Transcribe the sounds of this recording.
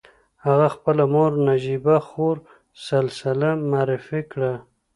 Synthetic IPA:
haɣaxpəlamoɾnad͡ʒibaxoɾ | salsɪlamaːɾɪfikɽa

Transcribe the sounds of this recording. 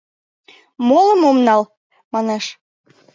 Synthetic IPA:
molə̆momnɑl | mɑneʃ

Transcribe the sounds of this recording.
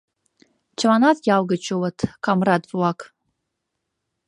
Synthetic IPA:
t͡ʃʰamanatʼɡʲawɡat͡ʃʰowatʰkʼamradt͡sʼwakʼ

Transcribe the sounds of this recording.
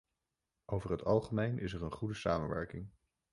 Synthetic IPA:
ʔowvəɹɦətɑlˠχəmejnʔɪsɛɹənχudəsaːmənʋɛ̰ɹkɪŋ

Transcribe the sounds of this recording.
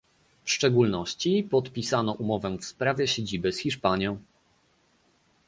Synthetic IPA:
fʂt͡ʂɛɡulnɔɕt͡ɕipɔt̪pʲisanɔʔumɔvɛfspɾavʲjɛɕed͡ʑibɘsxʲiʂpaɲjɔ̃w̃

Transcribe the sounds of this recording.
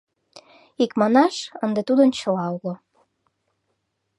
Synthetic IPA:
ikmɑnɑʃənd̪et̪ud̪ənt͡ɕolɑuɣo

